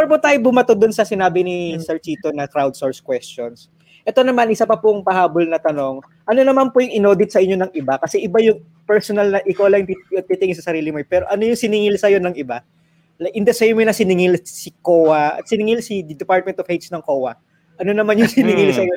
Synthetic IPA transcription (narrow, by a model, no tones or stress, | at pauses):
ɐɾɐpʊt̪aːjobʊmɐt̪od̪ʊnsɐsɪnaːbɪnɪsɛɹt͡ʃiːt̪onɐkɾawd̪soɹskwɛst͡ʃons | ʔɛt̪o̞nɐmanʔɪsapɐpʊŋpɐhaːbolnɐt̪ɐno̞ŋ | ʔɐno̞nɐmanpʊjʊŋɪno̞ːd̪ɪt̪̚sɐʔɪɲɲo̞nɐŋɪbakɐsɛʔɪbajʊŋ | pɛɹsonɐlnɐʔɪkawlɐjŋpiɐt̪̚p̪it̪ɪŋɪsɐsɐɾiːlɪmopɛːɾo̞ʔɐnojʊŋsɪnɪŋɪlsɐjo̞nɐŋɪba | lɐʔɪnd̪ɛsjmonɐsɪnɪŋɪlsɪkoːwɐɐ̰t̪̚sɪnɪŋɪlsɪd̪ɛpaɹt̪̚mɛnt̪ovhejsnɐŋkoːwɐ | ʔɐno̞nɐmanjʊŋsɪnɪŋilsɐjo